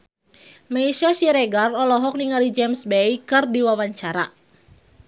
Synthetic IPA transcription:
maiʃaʃiɾɛɡarɔlɔɦɔk̚niŋalid͡ʒɛmsbɛjkɨrdiwawaɲt͡ʃaɾa

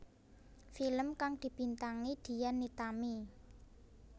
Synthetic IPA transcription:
filəmkaŋd̪̥i̤b̥i̤nt̪aŋid̪̥i̤janːit̪ami

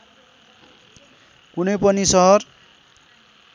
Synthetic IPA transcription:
kunʌjpʌnisʌɦʌr

